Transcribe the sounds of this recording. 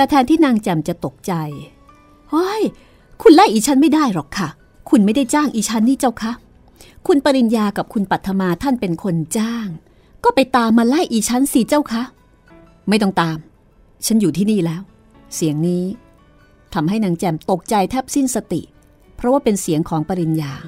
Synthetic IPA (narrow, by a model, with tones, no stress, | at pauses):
pɛ˧˩t̪ʰɛː˧nt̪ʰiː˥˩naː˧ŋt͡ɕɛ˧˩mt͡ɕa˨˩t̪o˨˩k̚t͡ɕa˧j | ho˦˥j | kʰu˧nla˥˩jʔiː˧˩t͡ɕʰa˦˥nma˥˩jdaː˥˩jlɔː˨˩kʰːa˥˩ | kʰu˧nma˥˩jda˥˩jt͡ɕaː˥˩ŋʔiː˧t͡ɕʰa˦˥nːiː˥˩t͡ɕa˥˩wkʰa˦˥ | kʰu˧npa˧ɾi˨˧njaː˧ka˨˩p̚kʰu˧npa˨˩t̪ʰːa˧maː˧t̪ʰa˥˩npe˧nkʰo˧nt͡ɕaː˥˩ŋ | kɔː˥˩pa˧jt̪aː˧mːaː˧la˥˩jʔiː˨˩t͡ɕʰa˦˥nsi˧˩t͡ɕa˥˩wkʰa˦˥ʔ | ma˥˩jt̪ɔ˥˩ŋt̪aː˧m | t͡ɕʰa˦˥njuː˨˩t̪ʰiː˥˩niː˥˩lɛː˦˥w | si˨˩˦əŋniː˦˥ | t̪ʰa˧mɦa˥˩jnaː˩˦ŋt͡ɕɛː˧mt̪o˨˩k̚t͡ɕa˧jt̪ʰɛ˦˥˩p̚si˥˩nsa˧t̪ḭ˨˩ʔ | pʰɾɔ˦waː˥˩pe˧nsi˩˦əŋkʰɔː˩˦ŋpa˧ɾi˧njaː˧